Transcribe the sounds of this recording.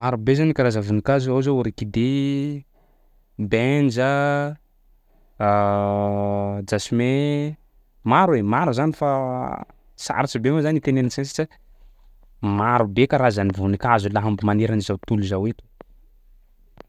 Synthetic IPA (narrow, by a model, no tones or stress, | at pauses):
maɾubezanikaɾazavunikazuawzouɾekid̪e | bend͡ʒə | d͡ʒasime | maɾwemaɾuzanifa | sa̰ɾat͡ʃibemazanit̪enenisensi̥t͡ʃa | maɾubekaɾazanivunikazulaɦambimaneɾanizawt̪uluzawet̪u̥